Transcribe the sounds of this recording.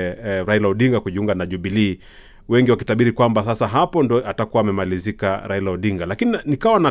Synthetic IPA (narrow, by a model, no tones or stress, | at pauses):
ɾailauɗiŋɡakuʄiuŋɡanaʄuɓili | wɛŋɡiwakitaɓiɾikwambasasaɦapɔndɔatakuwaːmɛmalizikaɾailauɗiŋɡalakininikawana